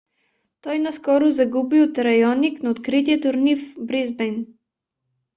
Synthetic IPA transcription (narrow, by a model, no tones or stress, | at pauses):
t̪ɔjnaskɔɾuzaɡubiot̪ɾajɔniknaot̪kɾit̪jɛt̪oɾnifbɾizbɛjn